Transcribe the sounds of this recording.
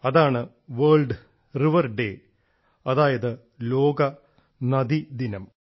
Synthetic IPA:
ɐðaːɳɨ | ʋɐːɭɖ | riʋɐrɖeː | ɐðaːjɐðɨ | lo̞ːɡɐ | nɐd̪id̪inɐm

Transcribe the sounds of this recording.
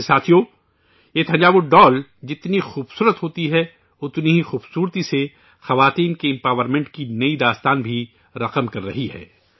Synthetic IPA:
saːt̪ʰijo | et̪ʰɐ̃ɲd͡ʒaːbʊɖɔːld͡ʒɪt̪nixuːbsuːɾət̪ɦoːt̪iɦɛ | ʊt̪niɦixuːbsuːɾt̪ise | xɐʋaːt̪iːnkeɪ̃mpaːʋəɾmẽɳʈkinɐid̪aːst̪aːnbʱi | ɾɐqəmkɐɾːɐɦiɦɛ̰ː

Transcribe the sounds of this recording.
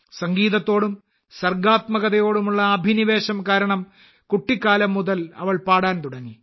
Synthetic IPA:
sɐŋɡiːðɐt̪ːo̞ːɽum | sɐrɡaːt̪mɐɣɐðɐjo̞ːɽumuɭːɐːbʱiniʋe̞ːɕɐmkaːɾɐɳɐm | kuʈːikːaːlɐmːuðɐlɐ̰ʋɐɭpaːɽaːnt̪uɽɐŋːi

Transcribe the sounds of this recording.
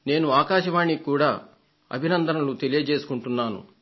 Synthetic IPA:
ne̞ːnuaːkaːʃɐʋaːɳːikuːɽaː | ɐ̰bʱinɐnd̪ʱɐnɐlut̪e̞lijɐd͡ʒe̞ːsu̥kuɳʈunːaːnṵ

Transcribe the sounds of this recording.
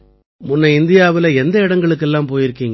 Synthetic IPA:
mʊnːɐɪnd̪ɪjaːʋɪlɐɛnd̪ɐɪɽɐŋɡɐɭɯkːɛlːãːmpoːjɪɾɯkːiːŋɡɐ

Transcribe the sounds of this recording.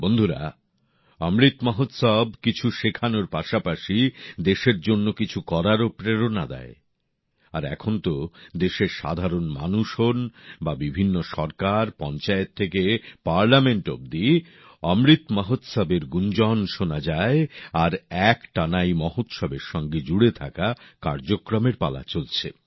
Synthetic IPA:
bond̪ʱuɾa̰ | ɔmɾit̪mɔɦot̪sɔbkit͡ɕʰuʃekʰanoɾpaʃapaʃid̪eʃeɾd͡ʑonːokit͡ɕʰukɔɾaɾopɾeɾonad̪ɛ̰e | aɾɛ̰kʰont̪od̪eʃeɾʃa̰d̪ʱaɾonma̰nuʃonbabibʱinːoʃɔɾkaɾpɔnt͡ɕaet̪ʰːekepaɾlameɳʈo̰b̚d̪i | ɔmɾit̪mɔɦot̪sabeɾɡund͡ʑɔnʃonad͡ʑaeaɾɛkʈanajmɔɦot̪ʃɔbeɾʃɔŋɡed͡ʑuɽet̪ʰakakaɾd͡ʑokɾomeɾpa̰la̰t͡ɕolt͡ɕʰe

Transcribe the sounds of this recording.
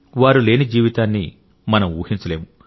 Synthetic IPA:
ʋaːɾule̞ːnid͡ʒiːʋit̪aːnːi | mɐnɐmuːhiɲt͡ʃɐle̞ːmu

